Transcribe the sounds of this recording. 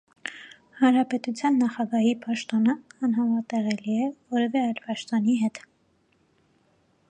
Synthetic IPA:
hɑnɾɑpɛt̪ut͡sʰjɑnːɑχɑɡɑɦipɑʃt̪ɔnəːnɦɑmɑt̪ɛʁɛliɛvɔɾɛvɛɑjlpɑʃt̪ɔniɦɛt̪

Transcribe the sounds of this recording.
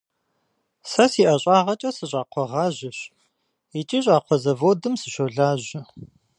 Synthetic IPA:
sɐsiːʔɐɕʼaːʁɐt͡ʃʼɐsɨɕʼaːqʷʰɔʁɑːʑɪɕ | it͡ʃʼiːɕʼaːqʷʰɔzɐvoːdɨmsɨʃoɮaːʑɪ

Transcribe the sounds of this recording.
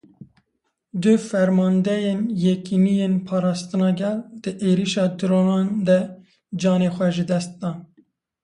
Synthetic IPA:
d̪ɨfɛɾmɑːnd̪ɛjenjɛkinijenpʰɑːɾɑːst̪ɨnɑːɡɛld̪̥ɨʔeːɾiʃɑːd̪ɨɾoːnɑːnd̪ɛ | d͡ʒɑːneːxʷɛʒɨd̪ɛst̪̚d̪ɑːn

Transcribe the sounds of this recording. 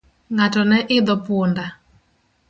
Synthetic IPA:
ŋatɔnɛʔɪd̪ɔponda

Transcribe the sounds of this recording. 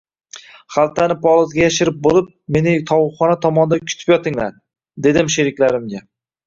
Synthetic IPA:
χalˠt̪ʰanɪpʰɒlˠɒzɡʲajaʃɪɾɪp̚bolˠɪp̚me̞nɪt̪ʰɒwʊχɒnat̪ʰɒmɒnd̪ankʲʰʊ̥t̪ʰɪ̥pjɒt̪ʰɪŋla̰ɾ | d̪e̞d̪ɪmʃeɾɪkʲlaɾɪmɡʲa

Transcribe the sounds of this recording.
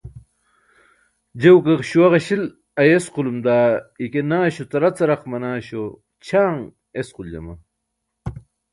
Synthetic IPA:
d͡ʑewkɐkɕuwɐʁɐɕil | ɐjesqulumd̪aːikenaːɕut̪ɐɾɐt͡sɐɾɐqmɐnaːɕo | t͡ɕʰaːŋ | esquld͡ʑɐ̰mɐ̰

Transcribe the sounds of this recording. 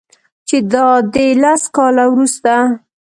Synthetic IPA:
t͡ʃed̪ɑd̪elaskɑlawɾust̪a

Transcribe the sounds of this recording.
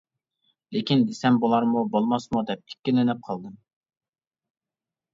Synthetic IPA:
lekʲʰind̪esɛmbolˠɑɾmubolˠmɑsmud̪ɛp̚i̥kʲːilɪnɪp̚qʰɑlˠd̪ɨm

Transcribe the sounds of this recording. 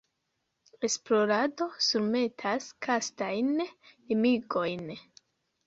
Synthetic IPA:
e̞splo̞ɾado̞suɾme̞tʰaskʰastajnlimiɡo̞jn

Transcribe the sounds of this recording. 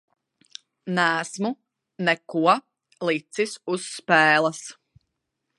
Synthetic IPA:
næːsmu | nɛkuɔ | lˠit̪sisusːpɛːlˠɐs

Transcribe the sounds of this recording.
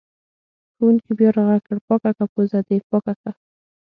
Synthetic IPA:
xowunkibjɑɾaɣakəɽpɑkakapozad̪epɑkaka

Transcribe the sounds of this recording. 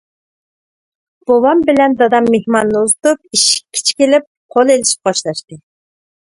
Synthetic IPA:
b̥owɑmbɪlɛnd̪ɑd̪ɑmːehmɑnːɨuzɨt̪up̚iʃi̥i̥t͡ʃʰkʲelɪp̚qʰolˠelɪʃi̥p̚qɑʃlˠɑʃt̪ɨ

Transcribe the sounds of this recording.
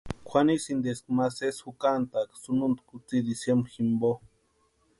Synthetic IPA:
kʷʰanisind̪eskmaseshukant̪aksununt̪kut͡sid̪isjemximbo

